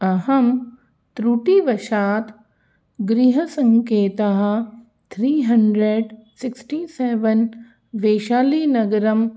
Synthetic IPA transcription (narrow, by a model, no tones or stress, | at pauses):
ɐɦɐm | t̪ɾuʈiʋɐʃaːt̪ | ɡɾiɦɐsɐ̃ŋkeːt̪ɐɦɐ̆ | t̪ʰɾiːɦɐɳɖɾeɖsɪksʈiːseːʋɐn | ʋeːʃaːliːnɐɡɐɾɐm